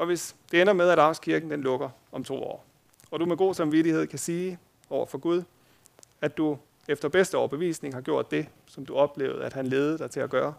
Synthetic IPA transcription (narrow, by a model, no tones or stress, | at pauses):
ɒ̽ʋe̝sd̥e̝enɐmeðˠæɾɑ̈ʊskʰiɐɡ̥n̩d̥enlɔ̽ɡ̥ɐ | ɒ̽mt͡sʰo̝̰ːɒ̰ː | ɒ̽ɾ̥umeɡ̥o̝̰ːsɑ̈mʋiɾihe̝ð̞̰ˠkʰæsiː | ɒʊ̰ɐfɒ̽ɡ̥uð̞ˠ | æd̥u | efd̥ɐb̥esd̥əɒʊɐb̥e̝ʋḭːsne̝ŋhɑ̈ɡ̥jo̝ɐ̰d̥ːe̝ | sɒ̽md̥uɒ̽b̥le̝̰ːʊð̩ˠæd̥hænle̝ːð̞ˠəd̥ɑ̈ɪt͡sʰe̝læɡ̥ɶːɐ